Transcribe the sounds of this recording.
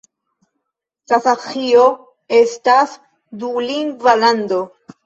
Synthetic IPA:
kasaxio | e̞stas | duliŋɡvaland̪o̞

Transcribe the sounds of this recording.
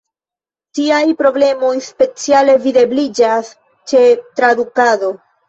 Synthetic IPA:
tiajpɾo̞ble̞mo̞jspe̞t͡siale̞vide̞blid͡ʒas | t͡ʃe̞tɾadukado̞

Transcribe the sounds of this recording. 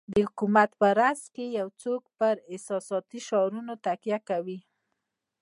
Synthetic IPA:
d̪əhʊkumat̪pəɾaskejawt͡sok̚pəɾɪhsɑsɑt̪iʃɑɾunot̪akjakawi

